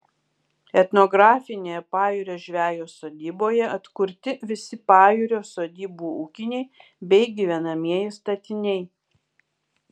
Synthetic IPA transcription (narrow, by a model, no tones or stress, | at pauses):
ɛt̪noɡɾɑːfʲɪnʲeːjɛpɑːjuːɾʲoːʒʲʋʲæːjoːsoːd̪ʲiːboːjɛɐt̪kʊɾʲt̪ʲɪʋʲɪsʲɪpɑːjuɾʲoːsoːd̪ʲiːbuːuːkʲɪnʲɛɪ | bʲɛɪɡʲiʋʲɛnɐmʲiɛjɪst̪ɐt̪ʲɪnʲɛɪ